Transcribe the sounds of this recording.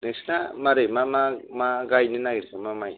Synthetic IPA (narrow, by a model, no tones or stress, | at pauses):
neksnamaɾemamamaɡajnɯnaɡiɾkamamaj